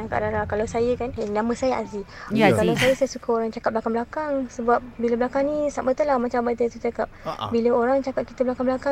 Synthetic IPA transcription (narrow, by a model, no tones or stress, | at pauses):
aŋka̰ʔdaɾakalawsajəkanenaməsajəʔa̰siakalawsajəsajəsukaoɾaŋt͡ʃakat̚blakaŋblakaŋsəbap̚biləblakaŋnĩsamət̪əlahmat͡ʃambat̪ət̪ut͡ʃakap̚biləoɾaŋt͡ʃakap̚ki̥t̪əblakaŋblaka